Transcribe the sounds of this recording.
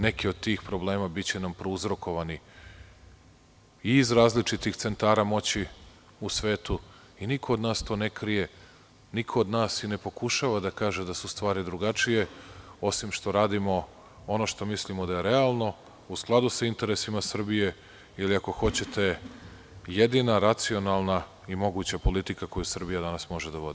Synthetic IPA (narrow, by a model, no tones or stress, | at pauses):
ne̞kiod̪̚t̪iːxpɾo̞ble̞ːmabit͡ɕe̞nampɾouzɾo̞ko̞ʋani | iːzɾaːzlit͡ʃit̪ixt̪se̞nt̪aːɾamo̞t͡ɕi | usʋe̞ːt̪u | inikʰoːd̪naːst̪o̞ːnekɾije̞ | nikʰo̞ːd̪naːsine̞po̞kuʃaʋad̪akaːʒe̞d̪asust̪ʋaːɾid̪ɾuɡat͡ʃije̞o̞simʃt̪o̞ɾaːd̪imo̞ | o̞no̞ʃt̪o̞mislimo̞d̪aje̞ɾe̞alˠno̞ | usklˠad̪usaint̪e̞ɾesimasr̩bije̞ | iliako̞xo̞t͡ɕe̞t̪e̞ | jed̪inaɾat̪sio̞nalˠna | imo̞ɡut͡ɕapo̞lit̪ikako̞jusr̩bijad̪anasmo̞ʒed̪aʋo̞d̪̥i